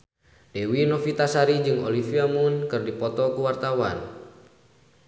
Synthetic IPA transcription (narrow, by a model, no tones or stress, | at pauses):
dɛwinɔfit̪asaɾid͡ʒɨŋɔlifiamunkɨrdipɔt̪ɔkuwart̪awan